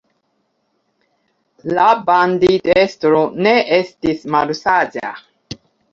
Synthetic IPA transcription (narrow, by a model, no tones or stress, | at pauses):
laband̪idest̪ɾoneestismalusad͡ʒa̰